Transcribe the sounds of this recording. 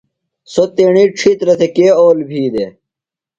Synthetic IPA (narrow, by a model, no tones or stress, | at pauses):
sot̪eɳiʈ͡ʂʰit̪ɾɐt̪ʰekeːoːlbʱiːd̪e